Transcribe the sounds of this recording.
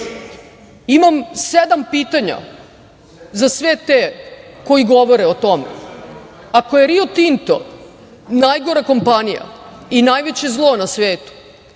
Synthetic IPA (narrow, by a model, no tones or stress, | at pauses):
imamsed̪ampiːt̪aɲa̰ | zasʋet̪eko̞jiɡoʋo̞ɾeot̪o̞mḛ | ako̞jeɾiot̪int̪o̰ | najɡo̞ɾako̞mpanija̰inajʋe̞t͡ɕe̞zlˠo̞nasʋeːt̪u̥